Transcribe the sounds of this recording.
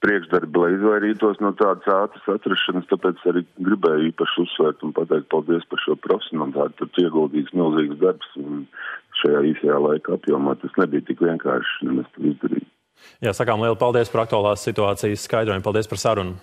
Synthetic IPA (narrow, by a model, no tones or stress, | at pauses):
pɾiɛkʒd̪aɾblˠɛjizʋajɾiːt̪uɔsnuɔt̪aːd̪əsaːt̪ə̥sat̪ɾaʃːanəst̪apɛːt̪saɾiːɡɾibɛːjiːpaʃussːʋɛːɾt̪unpat̪ɛɪk̚t̪̚palˠd̪iɛspaɾʃuɔpɾɔfʲe̥sʲjɔnalˠɪt̪aːt̪̚p̪uɾt̪uiɛɡulˠd̪iːt̪smilˠziːɡsd̪aɾpsnʃajaːiːsɐjaːlˠajkapjuɔmaːt̪asnɛbijt̪ikʋiɛŋka̰ːɾʃnɛmɛst̪uːizd̪ɐɾḭːj | jaːsakaːmlˠiɛlˠpalˠd̪iɛəspaɾak̚t̪uaːlˠaːsːit̪uaːt̪sijəsskajd̪ɾoɔjmpalˠd̪iɛspaɾsaɾunu